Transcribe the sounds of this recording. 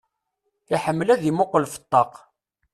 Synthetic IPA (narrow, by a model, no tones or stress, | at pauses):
iħəmːlæðimʊqəlfə̥t̪ˤːɑq